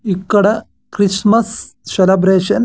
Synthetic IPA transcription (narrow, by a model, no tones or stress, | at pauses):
ikːɐɽɐ | kɾismɐsselɐbɾeːʃɐn